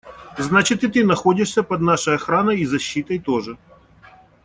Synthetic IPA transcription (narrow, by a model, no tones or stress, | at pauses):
znat͡ɕɪt̪ɨt̪ɨnɐxodʲɪʂsʲɐpɐd̪naʂɐjɐxɾanɐjizɐɕːit̪ɐjt̪oʐɨ